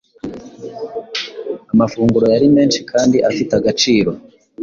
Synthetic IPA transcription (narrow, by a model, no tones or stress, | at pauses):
amafuːŋɡuɾo̞jaɾime̞ːnʃi̥kʰaːndiʔafitaɡat͡ʃiːɾo̞